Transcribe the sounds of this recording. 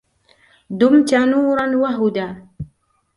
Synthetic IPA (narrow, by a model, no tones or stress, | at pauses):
d̪ʊmt̪anuːɾˤɑnwaɦʊd̪aː